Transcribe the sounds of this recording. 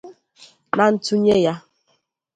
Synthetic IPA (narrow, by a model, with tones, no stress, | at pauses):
na˨n̩˦tu˦ɲe˦ja˦